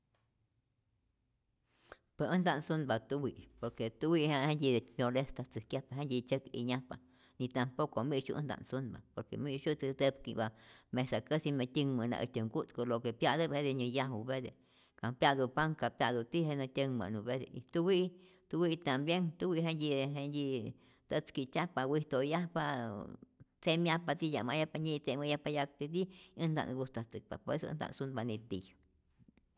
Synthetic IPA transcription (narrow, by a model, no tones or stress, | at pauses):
pəʔə̃nd̪ansunbat̪uwiʔpoɾket̪uwihãʔhend̪ʲid̪eɲʲolest̪at͡sɨkjapaɦend̪ʲit͡ʃəkḭɲãpa | nĩt̪ampokomiʃṵʔnd̪a̰ʔnsunba̰poɾkḛmiʃut͡s̪əd̪əbkḭbamẽsakəsimẽt̪ʲiŋmə̃nã̰ʔə̰t̪ʲəŋɡut̪kolokepjad̪əbhed̪eɲə̃jahubed̪ḛ | kapjad̪upaŋkapjad̪ut̪iɦenat̪ʲəŋma̰nubed̪ḛit̪uwi | t̪uwit̪ambjeŋt̪uwiʔɦend̪ʲiɦend̪i | t̪ət͡skit͡ʃapawit̪ojahpa | t͡semjapat̪ija̰majapaɲit͡seməjapajakt̪id̪iɨnd̪a̰ʔnɡust̪at̪ɨk̚pa̰pesɨ̰nd̪a̰ʔnsunbanit̪ḭj